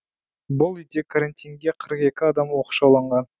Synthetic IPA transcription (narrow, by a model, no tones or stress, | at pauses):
bʊlˠʏjd̪e̞kʰaɾant̪ʲijŋɡʲeqʰəɾəqe̞kʲɪɑd̪ɑmwoqʃɑwlˠɑɴʁɑn